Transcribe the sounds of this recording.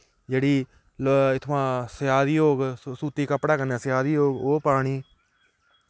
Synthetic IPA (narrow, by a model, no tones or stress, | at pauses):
d͡ʒeːɽiː | lɪt̪ʰʋãːsəjaːd̪iːɦoːɡsuːt̪iːkəpɽaːkənãːsjaːd̪iːɦoːɡoːpaːɽiː